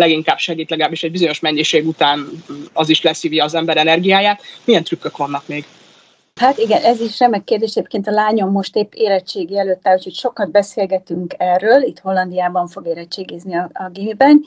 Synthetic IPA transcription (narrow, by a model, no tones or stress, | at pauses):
lɛɡiŋkaːbʃɛɡiːt̪lɛɡlaːbːiʃɛɟ̚bizo̞ɲo̞ʃmɛɲːiʃeːɡut̪aːnɒziʃlɛsiːvjɒːzɛmbɛɾɛnɛrɡijaːjaːt̪mijɛnt̪ɾykːøkʋɒnːɒkmeːɡ | hat̪iɡɛnɛziʃrɛmːɛkkːeːrd̪eːʃɛɟeːp̚keːnt̪ɒlaːɲo̞mːo̞ʃt̪eːpːeːlɛt͡ʃeːɡiːɛløːt̪ːɛlocʰocʃo̞kɒd̪̚bɛseːlɡɛt̪yŋkɛrːøːlit̪ho̞lːɒnd̪ijaːbɒɱfo̞ɡeːlɛt͡ʃːeːɡeːzniɒɒɡiːmibɛn